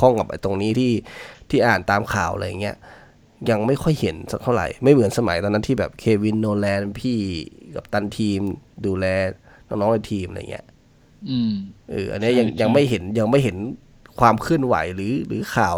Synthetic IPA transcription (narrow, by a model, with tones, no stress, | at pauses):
kʰɔ˥˩ŋka˨˩p̚ʔa̰˧jt̪o˧ŋniː˦˥t̪ʰiː˥˩t̪ʰiː˥˩ʔaː˨˩nt̪aː˧mkʰaː˨˩wlʔa̰˧ja̰˨˩ŋːi˦˥ɐʔ | ja˧ŋma˥˩jkʰɔ˥˩jhe˩˦nsa˧˩kt̪ʰa˥˩ɾa̰˨˩jma˥˩jmɯ˩˦ənsa˧ma̰˨˩˦jt̪ɔː˧nːa˦˥t̪ʰiː˥˩bɛː˨˩p̚kʰeː˧wi˧nːoː˧lɛː˧npʰiː˥˩ka˨˩p̚t̪a˧nt̪ʰiː˧mduː˧lɛː˧ | nɔː˦˥˩ŋnɔ˦˥la˧˩t̪ʰiː˧ma̰˧j̰ŋːʔḭ˦˥ɐʔ | ʔɯ̰ː˨˩ʔa̰˧nːi˦˥˨ja˧ŋja˧ŋma˥˩jɦe˩˦nja˧ŋma˥˩jɦe˩˦n | kʰwaː˧mkʰɯ˥˩ənwa̰˩˦jlɯː˩˦lɯː˨˩˦kʰaː˨˩w